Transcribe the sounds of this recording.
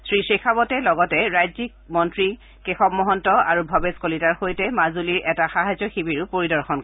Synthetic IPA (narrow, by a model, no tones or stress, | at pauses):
sɹisexʰabɔtɛlɔɡɔtɛɹajzik̚mɔntɹi | kexɔbmɔɦɔntɔa̰ɹubʱɔbeskolitaɹxojtɛmazuliɹʔɛtaxaɦazɔxibiɹʊpoɹidɔɹxɔn